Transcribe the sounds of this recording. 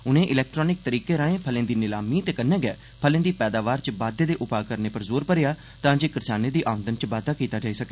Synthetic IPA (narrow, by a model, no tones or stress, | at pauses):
ʊnẽːʔɪlɛːk̚ʈɾɔːnɪk̚t̪əɾiːkeːɾaːẽːpʰəlẽːd̪iːnɪlaːmiːt̪eːkənːɛːɡɛ̰ː | pʰəlẽːd̪iːpɛːd̪aːʋaːɾt͡ʃəbaːd̪eːd̪eːʔʊpaːkəɾneːpəɾzoːɾpəɾɪjaː | t̪ãːd͡ʒeːkɪɾsaːneːd̪iːʔaːʋə̃nd̪ənt͡ʃbaːd̪aːkiːt̪aːd͡ʒaːiːsəkeɛː